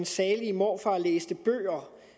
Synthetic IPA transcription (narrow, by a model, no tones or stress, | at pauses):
nsɛːlimɒ̰ːfɑ̈lḛːsd̥əb̥ø̰ːɐ